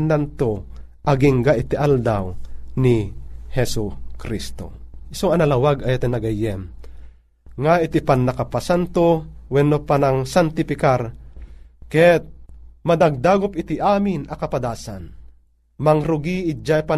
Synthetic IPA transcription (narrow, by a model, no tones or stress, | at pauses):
nːant̪o | ʔɐɡiŋɡaʔit̪iʔald̪a̰wnihɛsukɾist̪o̰ɪsoŋɐnalawaɡajat̪ɛnɐɡajɛm | ŋait̪ipanːakapasant̪owɛnːopanaŋsant̪ɪfɪkar | kɛt̪̚mad̪aɡ̚d̪aːɡʊpɪt̪iʔaːmɪnɐkapad̪aːsa̰n | maŋɾʊɡiɪd͡ʒapa